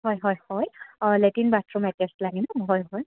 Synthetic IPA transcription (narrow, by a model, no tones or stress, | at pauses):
ɦɔjɦɔjhɔjletinbatɹumɛtɛstlaɡinɔɦɔjɦɔj